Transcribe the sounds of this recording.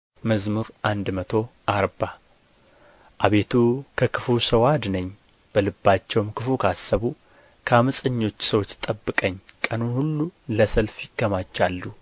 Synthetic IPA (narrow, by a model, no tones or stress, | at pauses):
məzmuɾʔand̪mət̪ʰo̞ʔaɾba | ʔaβe̞t̪ʰukʰəkʰɨfusəwad̪nəɲː | b̥əlɨbːat͡ʃːɛwmkʰɨfukʰasːəβu | kʰəamɨsʼəɲːo̞t͡ʃːsəwo̞t͡ʃːt̪ʼəbːɨkʼəɲːkʼənunhulːuləsəlfjɪkːəmat͡ʃːalːu